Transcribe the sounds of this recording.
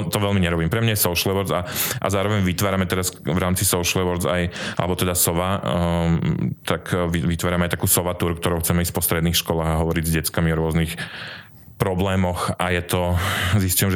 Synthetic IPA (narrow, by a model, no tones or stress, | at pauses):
t̪ɔʋɛlmiɲɛɾɔbiːmpɾɛmɲajɛsɔʊʃlɛʋɔɾd͡zaʔa̰zaːɾɔʋɛɲʋit̪ʋaːɾamɛt̪ɛɾasʋɾaːmt͡sisɔʊʃlʋɔɾd͡zaja̰lɛbɔt̪ɛd̪asɔʋa | t̪akiʋit̪ʋaːɾamɛajt̪akuːsɔʋat̪uɾkt̪ɔɾɔʊxt͡sɛmɛispɔst̪ɾɛd̪niːxʃkɔlaːɣaɦɔʋɔɾiɟzɟɛt͡skamiɔɾʊɔznix | pɾɔblɛːmɔxajɛt̪ɔziscujɛmʒ